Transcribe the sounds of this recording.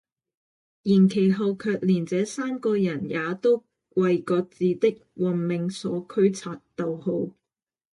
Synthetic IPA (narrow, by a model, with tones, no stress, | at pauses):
jiː˨˩nkʰe˨˩jɦɐ˨˧wkʰœː˧k̚liː˨˩nt͡sɛː˨˥saː˥mkɔː˧jɐ˨˩njaː˨˧t̪o˥w | wɐ˨˧jkɔː˧t͡siː˨t̪ɪ˥k̚wɐ˨nmɪ˨ŋsɔː˨˥kʰɵ˥ɥt͡sʰaː˨˧t̚t̪o˨who˧w